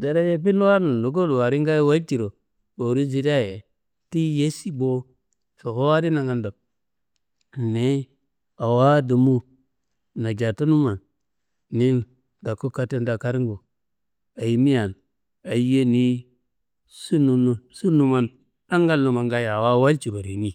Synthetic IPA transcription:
de˨ɾa˦je˦pi˦n˦wa˦nu˨n˨o˨ɡ̬o˦lwa˨ɾi˦ŋɡa˦jwa˦lti˨ɾo˨ | bo˨ɾi˦zi˨ɾa˦je˨ | ti˦je˦si˦bo˦ | so˨ko˦wa˦ɾi˦na˨ŋa˨ndo˨k̚ | ne˦ | a˨wa˦du˨mu˦ | na˨d͡ʒa˨ta˦nu˦ma˨n | ni˦n | ɡa˨ko˦ka˦te˦nda˨ka˦ɾi˦ŋɡo˨ | a˨ji˨mi˦ja˨n | a˨i˦je˦ni˦ | su˦nu˨n˨su˦nu˦ma˦n | a˦ŋɡa˦lːo˨ma˨ŋɡa˦ja˨wa˦wa˦lt͡ʃi˨bo˨ɾe˨ni˦

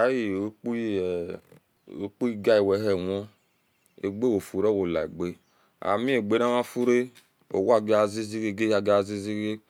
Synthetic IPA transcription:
a˨˦ji˨o˨˦k͡p | o˦k͡pu˦i˦ɡa˦i˨wɛ˨˦ɦɛ˨wɔ˦ | ḛ˨ɡ͡be˦wo˨fu˨ɾɛ˦˨wo˨la˨e˨ɡ͡be˦ | a̰˨mĩ˦e˨ɡ͡be˨˦na˦ma˦fu˦ɾe˦ | o̰˨wa˦˨ɡe˦a˨zi˦zi˦ɡe˦ɡe˦a˨ɡe˦a˨zi˦zi˦ɡe˦

